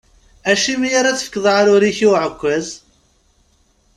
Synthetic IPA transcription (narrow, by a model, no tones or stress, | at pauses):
æʃimijaɾæt͡sːə̥fə̥kːəðˤɾʊɾiçiwʕəkʷːæz